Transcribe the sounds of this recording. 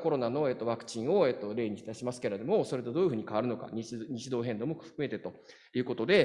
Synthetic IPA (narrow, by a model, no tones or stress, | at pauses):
ko̞ɾo̞nano̞e̞ːt̪ːoβakɯ̟̥t͡ɕĩɰ̃o̞e̞ːt̪ːo̞ɾe̞ːɲ̟iɕi̥t̪aɕimasɨ̥ke̞ɾed̪o̞mo̞so̞ɾe̞t̪ed̪o̞ːiɯ̟ɸɯ̟ːɲ̟ikaβaɾɯ̟no̞ka̰ɲ̟iɲ̟it͡ɕid̪o̞ːɦẽ̞nd̪o̞mo̞ɯ̟̥kɯ̟me̞t̪et̪o̞ | jɯ̟ːko̞t̪o̞d̪e̞